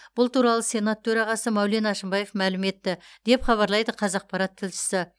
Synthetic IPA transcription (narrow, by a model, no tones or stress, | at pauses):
b̥ʊlˠt̪uɾɑlˠəse̞nat̪ʰɵɾɑʁɑsəmæwle̞nɑʃəmbɑje̞fmælɪme̞t̪ːɪd̪̥e̞pχɑβɑɾlˠɑjd̪əqʰɑzɑq̚pɑɾɑt̪ʰːɪlʃɪ̥sɪ